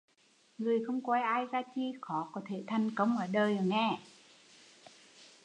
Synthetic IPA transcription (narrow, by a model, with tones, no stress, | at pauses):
ŋɨ˨˩əjxə˧wŋ͡mkwa˧jʔaː˧jzaː˧t͡ɕi˧xɔ˨˦kɔ˨˦t̪ʰe˧˩t̪ʰa˨˧jŋkə˧wŋ͡mʔəː˧˩ɗəː˧˩jə˨˩ŋɛ˧˩˨